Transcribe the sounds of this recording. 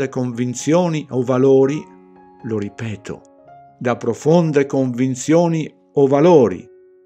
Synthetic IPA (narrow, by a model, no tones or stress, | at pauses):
ekoɱvint̪sjɔːniʔɔvaloːɾi | loɾipɛːt̪ʰʊ̰ | d̪apɾofɔnd̪ekoɱvint̪sjɔːni | ɔvalɔːɾḭ